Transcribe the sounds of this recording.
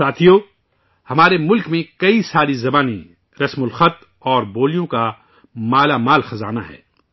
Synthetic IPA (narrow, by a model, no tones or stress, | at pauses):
saːt̪ʰijoː | hɐmaːɾemʊlkmẽkɐisaːɾizɐbaːnḭ̃ | ɾɐsmʊlxɐt̪ | ɔːɾboːlijõka | maːlamaːlxɐzaːna̰ɦɛ̰ː